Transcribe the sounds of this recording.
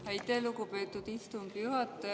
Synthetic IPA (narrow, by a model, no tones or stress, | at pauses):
æjt̪elukupeːt̪ːˑud̪̥ist̪umbjuhɑt̪ːˑɑ